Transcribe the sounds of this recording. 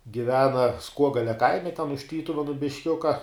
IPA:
ɡʲɪˈʋʲæːnɐ ˈskuɔɡɐlʲɛ ˈkɐɪmʲɛ tʲɛn ʊʃ ˈtʲiːtʊʋʲɛnʊ bʲɪʃʲˈkʲʊkɐ

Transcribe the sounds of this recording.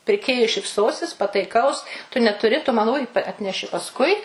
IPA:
pʲɪrʲˈkʲeːjʊɪ ʃʲɪpˈsoːsʲɪs pɐtɐɪˈkɐʊs tʊ nʲɛtʊˈrʲɪ tʊ ˈmɐn ʊj ɐtʲˈnʲæːʃʲɪ pɐsˈkʊɪ

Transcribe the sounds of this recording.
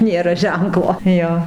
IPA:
ˈnʲeːrɐ ˈʒʲɛŋklˠoː ˈjoː

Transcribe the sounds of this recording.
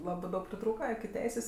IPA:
ˈlˠɑːbɜ ˈdɐʊk pʲrʲɪˈtruːkɐ ɪkʲɪ ˈtʲɛɪsʲeːs

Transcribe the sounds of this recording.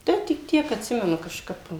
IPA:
ˈtɐɪ tʲɪk ˈtʲiɛk ɐtʲˈsʲɪmʲɛnʊ kɐʃˈkɐp

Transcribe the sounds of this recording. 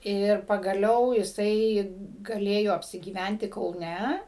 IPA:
ˈɪr pɐɡɐˈlʲɛʊ jɪˈsɐɪ ɡɐˈlʲeːjoː ɐpʲsʲɪɡʲiːˈʋʲænʲtʲɪ kɐʊˈnʲɛ

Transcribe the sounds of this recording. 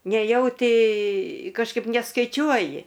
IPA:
nʲɛˈjɛʊtʲɪ kɐʃˈkɐɪp nʲɛskɐɪˈt͡ʃʲuɔjɪ

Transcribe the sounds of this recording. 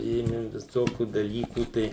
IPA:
ˈeːmʲɪ ʋʲɪˈsoːkʲuː dɐˈlʲiːkuː ˈtɐɪ

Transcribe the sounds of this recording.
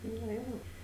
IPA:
nɐ ˈjoː

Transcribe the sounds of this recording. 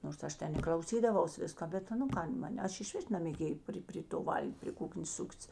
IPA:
noːrs ˈɐʃ ˈtʲɛn ɪ klˠɐʊˈsʲiːdɐʋɐʊs ˈʋʲɪskɐ ˈbʲɛt nʊ ˈkɐn ˈmɐnʲ ˈɐʃ ɪʃʲˈʋʲɪs nɐmʲeːˈɡʲeːjeː ˈpʲrʲɪ pʲrʲɪ toː ˈʋɐlʲkʲ pʲrʲɪ ˈkʊknʲeːs ˈsʊktʲɪs

